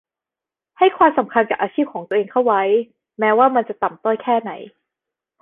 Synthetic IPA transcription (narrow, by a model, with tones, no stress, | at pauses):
ha˥˩jkʰwaː˧msa˩˦mkʰa˧nka˨˩ʔaː˧ɕʰiː˥˩p̚kʰɔː˩˦ŋt̪ːʔeː˧ŋk̪ʰa˥˩wa˦˥j | mɛː˦˥waː˥˩ma˧nt͡ɕa˨˩t̪a˨˩mt̪ɔː˥˩jkʰɛː˥˩na˩˦j